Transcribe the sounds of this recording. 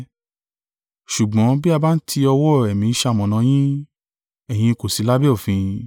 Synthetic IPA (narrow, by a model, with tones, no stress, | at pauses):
ʃu˨ɡ͡bɔ̃˨˦bi˦a˧ba˦n̩˦tʰi˧ɔ˧wɔ˦˨ɛ˨mĩ˨˦ʃa˧˦˨mɔ̃˨nã˨˧˦j̃ĩ˦ | ɛ˨j̃ĩ˧ko˨si˨˧˦la˦bɛ˦ɔ˦˨fĩ˧